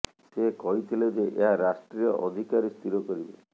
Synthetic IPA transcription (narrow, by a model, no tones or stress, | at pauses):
sekɔɦit̪ʰiled͡ʒeʔeɦaɾasʈɾijɔʔɔd̪ʱikaɾist̪ʰiɾɔkɔɾibe